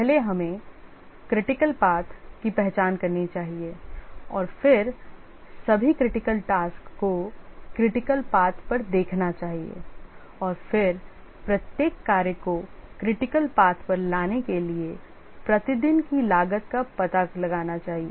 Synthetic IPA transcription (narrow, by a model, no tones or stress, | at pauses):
pɛɦleɦɐmẽ | kɾɪʈɪkəlpaːt̪ʰkipɛɦt͡ʃaːnkɐɾnit͡ʃaːɦieɔːɾfɪɾ | sɐbʱikɾɪʈɪkəlʈaːskːokɾɪʈɪkəlpaːt̪ʰpɐɾd̪eːkʰnat͡ʃaːɦiḛ | ɔːɾfɪɾ | pɾɐt̪jeːkːaːɾjəkokɾɪʈɪkəlpaːt̪ʰpɐɾlaːnekelie | pɾɐt̪ɪd̪ɪnkilaːɡət̪kapɐt̪alɐɡaːnat͡ʃaːɦie